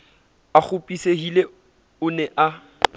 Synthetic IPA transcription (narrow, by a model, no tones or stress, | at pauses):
ak͡xʰʊpʼiseɦile | ʊnɛʔa